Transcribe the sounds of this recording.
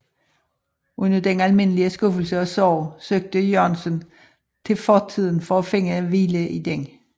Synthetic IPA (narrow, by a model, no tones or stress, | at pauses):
unɐd̥enælme̝n̰əliəsɡ̥ɔfl̩səɒ̽sɒʊ̰søɡ̥̚d̥əjɒnsən | t͡sʰe̝lfɒːt͡sʰið̞̰ˠn̩fɒfe̝ŋ̰əæʋiːləʔid̥eŋ̰